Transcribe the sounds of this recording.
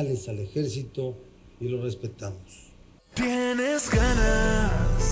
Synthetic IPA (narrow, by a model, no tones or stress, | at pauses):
lesale̞xeɾsit̪o̞ | ilo̞re̞spe̞t̪amos | t̪jenezɡanas